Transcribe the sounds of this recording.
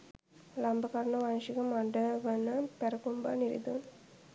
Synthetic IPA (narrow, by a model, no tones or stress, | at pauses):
lambəkaɾɐɳəʋanʃikəmaɖəʋənəpæɾəkumba̰ːniɾḭd̪un